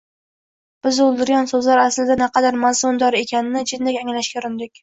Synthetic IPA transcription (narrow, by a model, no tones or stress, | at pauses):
b̥ɪzʊlˠd̪ɪɾjɒnsɵzlaɾaslɪd̪anaqʰɑd̪aɾmazʊnd̪ɒɾe̞kʲʰanɪnɪd͡ʒɪd̪lɪkʲaŋlaʃkʲaɾɪnd̪ɪkʲ